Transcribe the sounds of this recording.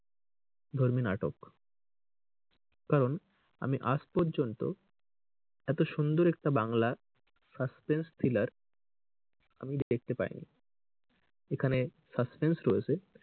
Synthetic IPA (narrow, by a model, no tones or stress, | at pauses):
d̪ʱoɾmina̰ʈok | kaɾon | a̰miʔaspɔɾd͡ʑont̪o̰ | ɛt̪oʃund̪oɾɛk̚ʈabaŋla | saspenst̪ʰilaɾ | a̰mid̪eɡ̪ek̚t̪epa̰ɾḭnḭ | ekʰane | saspensɾoet͡ɕʰe